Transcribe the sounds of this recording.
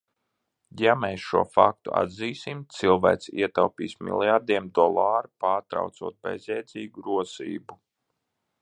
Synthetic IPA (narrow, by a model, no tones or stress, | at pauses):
jameːsʃuɔfa̰k̚t̪ṵa̰d̪ziːsimt̪silˠvæ̰ːkt̪sḭɛt̪awpḭːsmʲḭlˠjaɾd̪iɛmd̪ɔlˠaːɾupaːɾt̪ɾa̰wt̪suɔt̪̚bɛ̰zʲɛjd̪ziːɡuɾuɔsḭːbu